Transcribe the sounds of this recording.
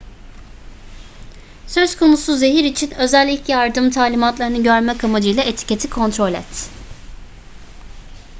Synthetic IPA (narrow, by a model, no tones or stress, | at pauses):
søzkʰo̞musuze̞ɦiɾit͡ʃʰinø̞zælʲːiclʲɛjaɾd̪ɯmt̪ʰaːlʲimat̪lˠaɾɯnɯɟøɾmɛkʰamad͡ʒɯjlˠaʔet̪ʰi̥cʰe̞t̪ʰikʰo̞nt̪ɾo̞lʲɛ̰t̪